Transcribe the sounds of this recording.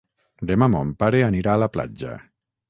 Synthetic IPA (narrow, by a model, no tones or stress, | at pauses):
d̪emamompaɾeaniɾaːlapla̰d͡ʒa̰